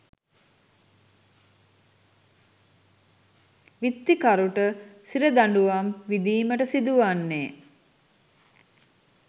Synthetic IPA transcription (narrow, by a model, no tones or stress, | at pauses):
ʋit̪ːikaɾuʈəsiɾəd̪aɳɖuʋamʋid̪iːməʈəsid̪uʋanːe